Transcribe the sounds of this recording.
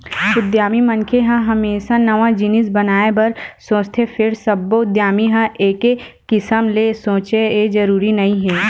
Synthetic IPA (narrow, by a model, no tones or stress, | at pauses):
ʊd̪jaːmimɐnkʰeɦɐ̃ɦɐmeːsanɐʋãd͡ʒɪnɪsbɐnaːebɐɾsõːt͡ʃt̪ʰepʰɪɾsɐbːoʊd̪jaːmiɦɐ̃ʔeːkekɪsəmlesõːt͡ʃeeːd͡ʒɐɾuːɾinɐɦĩɦɛː